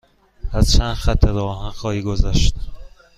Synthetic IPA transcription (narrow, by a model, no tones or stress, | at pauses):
æz̥t͡ʃʰænd̪xæt̪ʰːeɾɒːɦænxɒːhiːɡozæʃt̪æ